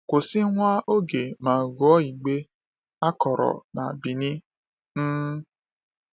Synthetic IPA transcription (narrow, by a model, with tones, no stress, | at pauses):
kʷo˨si˦ŋʷa˦ʔo˦ɡe˨mãː˨ɡɔ˦i˨ɡ͡be˦ | a˦kɔ˨ɾɔ̰˨na̰˨bi˨nĩ˦ | n̩˦